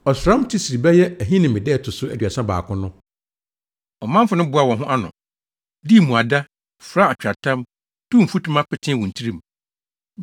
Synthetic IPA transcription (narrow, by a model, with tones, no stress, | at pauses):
ɔ˨sɾã˦mtʰi˦si˨ɾi˨bɛ˦jɛ˦æ˨ɦi˦nɪ̃˨mɪ̃˨dɛ˦˨tʰʊ˨sʊ˦æ˦dɥa˨sã˦ba̰ː˨kʰʊ̃˦nʊ̃˦ | ɔ˨mã˦m˦fʊ˨nʊ̃˦bʊ˨˦a˨wɔ̃˨ɦʊ̃˦ʔa˦nʊ̰̃˨ | di˦˨mũ˨a˨da˦ | fɾa˦a˨t͡ɕᶣɾa˨tʰã˦m | tʰũ˦m̩˨fu˦tʰũ˦mã˦pɪ˨tʰɪ̃˦wũ˨n̩˨tʰi˦ɾĩ˦˨m˨